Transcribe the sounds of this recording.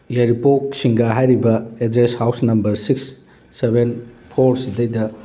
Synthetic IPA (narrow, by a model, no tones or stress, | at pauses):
jeɾipok̚siŋɡaɦajɾibɐedɾeshawsnɐmbɐɾsiksː | ebʱenpʰoɾsidɐjdɐ